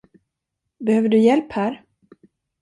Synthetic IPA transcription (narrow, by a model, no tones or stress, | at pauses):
bɛhøːvəɖɵjɛlphæːɾ